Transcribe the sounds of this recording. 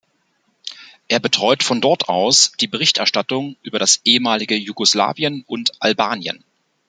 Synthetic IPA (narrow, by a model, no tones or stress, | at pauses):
ʔeːɐbətʁ̥ɔʏtfɔndɔɐtʰʔa̰ʊsd̥iːbəʁɪçtʔɛɐʃtatʊŋʔyːbɐɾasʔeːəmaːlɪɡəjuɡɔsla̰ːviənʊntʔalbaːnjə̰n